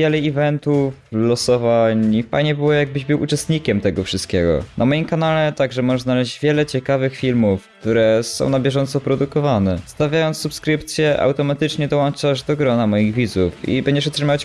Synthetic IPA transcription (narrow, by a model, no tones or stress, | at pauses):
jɛlɛivɛnt̪u | lɔsɔvaɲpa̰ɲɛbɘwɔjaɡ̚bɘʑbɘwʔut͡ʂɛst̪ɲikʲɛmt̪ɛɡɔfʂɨst̪̚kʲɛɡɔ̰nʔamɔjimkanalɛt̪aɡʐɛmɔʐɛznalɛʑd͡ʑvʲjɛlɛt͡ɕɛkavɘxfʲilmufk̚t̪uɾɛsɔ̰̃w̃nabʲjɛʐɔnt̪sɔpɾɔd̪ukɔvanɛst̪avʲjajɔnt̪sːupskɾɘpt̪sʲjɛʔa̰wt̪ɔmat̪ɘt͡ʂɲɛd̪ɔwɔnt͡ʂaʐd̪ɔɡɾɔnamɔjiɣvʲid̪zufḭbɛɲd͡ʑɛʂɔt̪ʂɘmaat͡ɕ